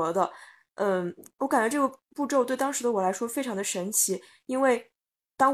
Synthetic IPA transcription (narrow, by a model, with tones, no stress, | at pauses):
d̪ə˧ | ə˥˩wɔ˧˥ka˨˩na˧˥ʈ͡ʂɤ˥˩ə˩pu˥˧ʈ͡ʂo˥˧ʊt̪we˥˩ɪt̪ɑ˥ŋʂɻ̩˧˥d̪ə˧wɔ˨˩la˧˥ɪʂwɔ˥fe˥ɪʈ͡ʂʰɑ˧˥ŋd̪ə˧ʂə˧˥nt͡ɕʰi˧˥ | i˥nwe˥˩ɪ | t̪ɑ˥ŋ